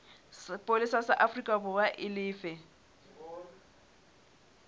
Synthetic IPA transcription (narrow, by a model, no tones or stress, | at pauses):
spʼolisasaʔafrikʼabʊbaʔɪlɪːfɛ